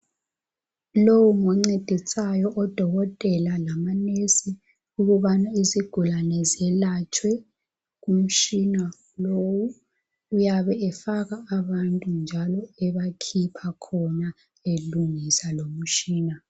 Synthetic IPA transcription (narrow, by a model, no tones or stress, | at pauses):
lowuŋɔŋ͡ǀed̥ʱisajɔʔɔd̥ʱɔɣɔtʼɛlalamanesi | uɣuβanaiziɡ̥ʱulanɛzɛlat͡ʃʼwɛ | ɣum̩t͡ʃʼina | lowu | ujaβɛɛfaɣaːβantʼund͡ʒʱalɔɛβakʰipʰakʰɔna | eluŋisalom̩t͡ʃiːna